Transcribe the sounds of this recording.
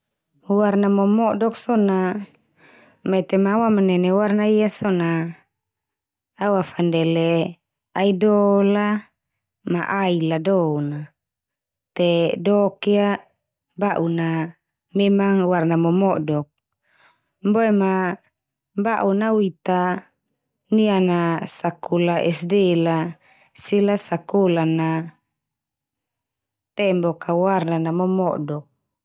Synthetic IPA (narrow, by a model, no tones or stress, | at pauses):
warnamɔmɔdɔksɔna | mɛt̪ɛmawamanɛnewarnaijasɔna | awafandɛlɛ | aidɔla | maʔailadɔuna | t̪ɛdɔkia | baʔuna | memaŋwarnamɔmɔdɔk̚ | boɛma | baʔunawit̪a | nianasakʰulaʔɛsdɛla | silasakolana | t̪ɛmbɔkʰawarnanamɔmɔdɔk̚